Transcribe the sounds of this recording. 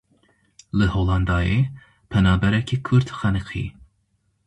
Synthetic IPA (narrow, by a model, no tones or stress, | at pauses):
lɨholɑnd̪ɑːje | pʰɛnɑːbɛɾɛkʰikʰuɾt̪xɛnɨqʰḭː